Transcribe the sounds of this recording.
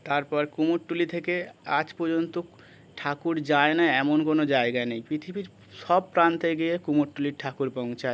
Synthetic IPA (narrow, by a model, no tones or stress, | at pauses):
t̪aɾpɔɾkumoʈʈːulit̪ʰekead͡ʑpoɾd͡ʑont̪o | ʈʰakuɾd͡ʑaenaɛmonkonod͡ʑaeɡanejpɾit̪ʰibiɾ | ʃɔb̚pɾant̪eɡiekumoʈʈːuliɾʈʰakuɾpɔw̃t͡ɕʰa